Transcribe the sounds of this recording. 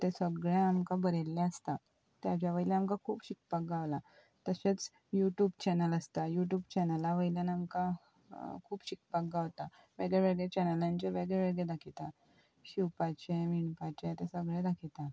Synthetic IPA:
t̪esəɡɭẽamkabəɾelːeəst̪a | t̪jat͡ɕjaʋəilaamkakʰuːpɕik̚pak̚ɡaʋla | t̪əɕet͡s | juʈjuːbt͡ɕɛnələst̪ajuʈjuːbt͡ɕɛnəlaʋəjlanamka | kʰuːpɕik̚pak̚ɡaʋt̪a | ʋeɡɭeʋeɭɡɭet͡ɕɛnəlãɲt͡ɕaʋeɡɭɛʋeɭɡɭed̪akʰit̪a | ɕiwpat͡ɕeʋiɳpat͡ɕet̪esəɡɭɛ̃d̪akʰit̪a

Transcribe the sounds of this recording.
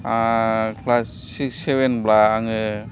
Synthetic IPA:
akʰlasːiksebenblaːŋɯ

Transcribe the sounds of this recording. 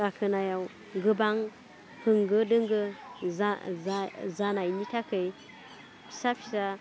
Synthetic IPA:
akʰɯnajaw | ŋɡɯbaŋ | hɯŋɡɯdɯŋɡɯ | zanajnitʰakʰəj | pʰi̥sapʰisa

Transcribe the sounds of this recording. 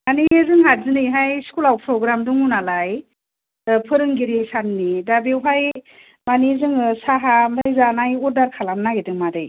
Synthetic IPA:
manizɯŋɦazɯnɯjɦajskulawpʰɾɔɡɾamduŋunalaj | pʰɯɾɯŋɡiɾisannidabewɦaj | manizɯŋsaɦamdʰajzanajɔdaɾkʰalamnaɡedɯŋmadɯj

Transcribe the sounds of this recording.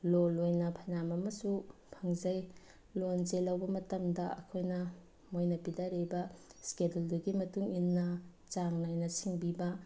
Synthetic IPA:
lolojnɐpʰɐnamɐmɐsu | pʰɐŋzɐj | lonzelːɐwbɐmɐtɐmdɐɐ̰kʰojnɐ | mojnɐpidaɾebɐskedelduɡimɐtuŋinːɐ | t͡ʃaŋnajnɐsiŋbibɐ

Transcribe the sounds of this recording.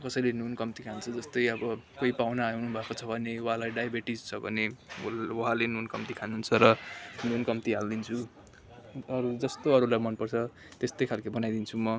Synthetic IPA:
kʌsʌjlenunkʌmt̪ikʰant͡sʰʌd͡zʌst̪ʌjʌbʌkoipawnaawnubʱakot͡sʰʌbʱʌneuɦãlajɖajbeʈid͡zt͡sʰʌbʱʌ̰ne | uɦalenunkʌmt̪ikʰanuɦːnt͡sʰʌɾʌnunkʌmt̪iɦald̪int͡sʰu | ʌɾud͡zʌst̪oʌɾulajmʌnpʌrt͡sʰʌ | t̪est̪ʌjkʰalkʌbʌnajd̪int͡sʰumʌ

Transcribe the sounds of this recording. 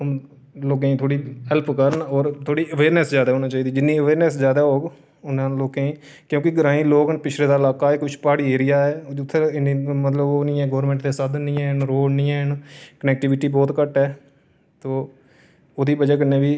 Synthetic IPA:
m | loːk̬ẽːt̪ʰoːɽiːɦɛlpkəɾənɔːɾt̪ʰoːɽiːəʋeːɾnɛszjaːd̪aːoːnãːt͡ʃaːiːd̪iːd͡ʒɪnːĩːəʋeːɾnɛszjaːd̪aːɦoːɡ | ʊnãːloːkẽːĩː | kjõːkɪɡəɾãːĩːloːɡənpɪt͡ʃʰɾeːd̪aːɪlaːkaːɛːkʊt͡ʃʰpaːɽiːeːɾɪjaːɛːʊt̪ʰːeɪnimət̪ləboːnĩːɛ̃ːɡɔːɾmɛ̃ːɳʈd̪eːsəd̪nĩːɛːnɾoːlnĩːɛːnkənɛːk̚ʈɪʋɪʈiːbɔːt̪kəʈɛː | t̪oː | oːd̪iːbəd͡ʒaːk̬ənːẽːbiː

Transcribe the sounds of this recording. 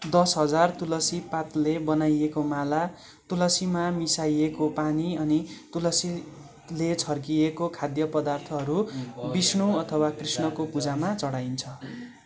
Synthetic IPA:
d̪ʌsɦʌd͡zart̪ulʌsipat̪lebʌnajekomala | t̪ulʌsimamisajekopaniʌnit̪ulʌsi | let͡sʰʌrkijekokʰad̪jʌpʌd̪art̪ʰʌɦʌɾubisɳuʌt̪ʰʌwakrisnʌkopud͡zamat͡sʌɽajnt͡sʰʌ

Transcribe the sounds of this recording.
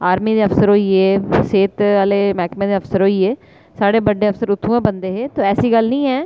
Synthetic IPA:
aːɾmiːd̪eːəpsəɾɦoːiːeːseːt̪aːleːmɛːkmẽːd̪eːəpsəɾɦoːiːeː | saːɽeːbəɖeːəfsəɾʊt̪ʰːũːɛ̃ːbənd̪eːɦeːt̪oːɛːsiːɡəlnĩːɦɛː

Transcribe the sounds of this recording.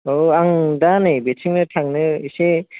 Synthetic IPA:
oaŋdanɯbesʰiŋnɯtʰaŋnɯise

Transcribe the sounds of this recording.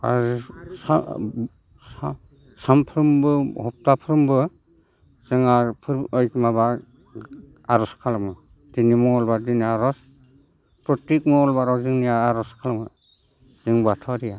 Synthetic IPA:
a̰zsa | sa | sampʰɾɯmbɯhɔp̚tapʰɾɯmbɯ | z̥ɯŋapʰɯɾɔjkʰmaba | aɾɔskʰalamɯ | dinimɔŋɔlbadiniaɾɔs | pɾɔtik̚mɔŋɔlbaɾɔkzɯŋnijaːɾɔskʰalamɯ | zɯŋbatʰaɾija

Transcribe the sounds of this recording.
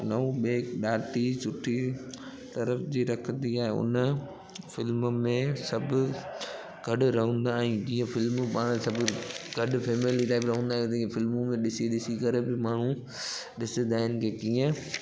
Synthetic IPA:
nɐũɓeːkɗaːʈit͡ɕʊʈʰi | t̪ɐɾəfd͡ʑiːɾɐkʰə̃nd̪iaːɦeʊ̰nə | fɪlmmẽsɐbʱʊ | ɡʱɐɖʊɾɐɦə̃nd̪aːɛ̃ːd͡ʑiːə̃fɪlmpaːɽ̃sɐbʱʊɡʱɐɖfeːmeliʈaːɪpɾɐɦə̃ːnd̪aːɦt̪iːə̃fɪlmũmẽɗɪsiɗɪsikɐɾebɪmaːɳ̤ũ | ɗɪsə̃nd̪aːɦɪnɪ̆kʰeːkiːə̃

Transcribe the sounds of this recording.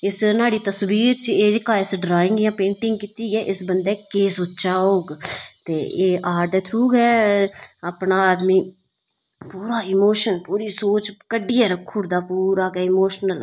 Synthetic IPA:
ɪsnaːɽiːt̪əsbiːɾt͡ʃeːd͡ʒəkaːɪsɖɾaːɪ̃ŋɡjãːpẽːɳʈɪŋɡ̚kit̪iːɡɛːʔɪsbənd̪ɛːkeːsʊtːʃaːoːɡt̪eːeːʔaːɾd̪ɛːt̪ʰɾuːɡɛː | əːpɳaːaːd̪miː | puːɾaːɪmoːʃənpuːɾiːsoːt͡ʃkəɖɪjaːɾəkʰːʊːɾd̪aːpuːɾaːkɛːɪmoːʃnəl

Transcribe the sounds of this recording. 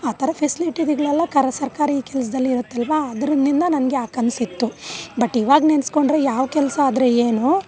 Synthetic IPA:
aːt̪ʰɐɾɐpʰesiliʈid̪iɡɐɭɐlːɐkɐɾɐsɐɾkaːɾɐiːkɛlɐs̬ɐd̪ɐlːiːɾut̪ːɛlʋaɐd̪ɾɐnːind̪ɐnɐnɐɡeaːkɐnsit̪ːubɐʈːiʋaːɡnensko̞ɳɖɾejaːʋɐkɛlɐsɐaːd̪ɾeeːnu

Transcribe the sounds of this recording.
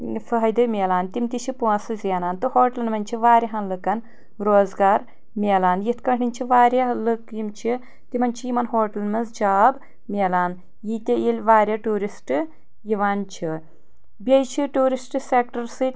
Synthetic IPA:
fɐɦɐjd̪ɨmʲeːlaːnt̪imt̪it͡ʃʰipuɐsɨzinaːnt̪ɨhoːʈɐlnmɐnʲt͡ʃʰiʋaːɾjɐɦɐnlɨkɐn | ɾoːzɡaːɾ | mʲeːlaːnjit̪ʰkɐɳinʲt͡ʃʰiʋaːɾʲjalɨkjimt͡ʃʰi | t̪imɐnt͡ʃʰijimɐnɦoːʈɐlnmɐnzd͡ʒaːb | mʲeːlaːn | jit̪ʲijilʲʋaːɾʲjɐʈuːɾisʈ | jiʋaːnt͡ʃʰi | bʲɐjt͡ʃʰiʈuːɾisʈsekʈɐɾsɨ

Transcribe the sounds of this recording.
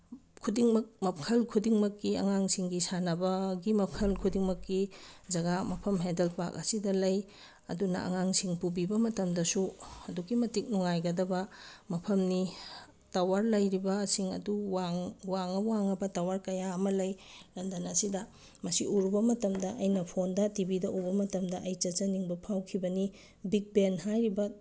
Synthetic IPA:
kʰudiŋmɐk̚mɐp̚kʰɐlkʰudiŋmɐkːiɐ̰ŋaŋsiŋɡisanɐbɐɡimɐkʰɐlkʰudiŋmɐkːizɐɡamɐpʰɐmɦedelpa̰kɐsidɐlɐj | ɐ̰dunɐ̰ɐ̰ŋaŋsiŋpubibɐmɐtɐmdɐsuɐduɡimɐtik̚nɔŋajɡɐdɐbɐmɐpʰɐmni | tawaɾlɐjɾibɐːsiŋɐ̰duwaŋwaŋɐwaŋɐbɐtawaɾkɐjaɐmɐlɐjlɐndɐnɐsidɐ | mɐsiʔuɾubɐmɐtɐmdɐʔɐjnɐpʰondɐtibidɐʔubɐmɐtɐmdɐʔɐjt͡ʃɐt͡ʃɐniŋbɐpʰawkʰibɐni | bik̚benɦajɾibɐ

